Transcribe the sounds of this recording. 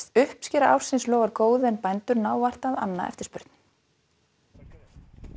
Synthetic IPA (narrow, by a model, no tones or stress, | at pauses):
t̪ʏhpscɛːɾaʔa̰w̥sɪnslɔːɣaɾkoːwðʏɛnpajnt̪ʏɾnaːwvar̥t̪aða̰nːa̰ʔɛ̰ft̪ɪɾ̥spʏɾt̪n̥